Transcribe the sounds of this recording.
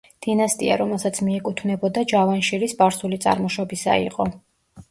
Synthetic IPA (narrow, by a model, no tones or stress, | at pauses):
d̪̥inast̪ʼiaɾɔmɛlˠsat̪sʰmiɛkʼut̪ʰvnɛbɔd̪ad͡ʒavanʃiɾisbaɾsulit̪sʼa̰ɾmɔʃɔbisa̰ḭqʼɔ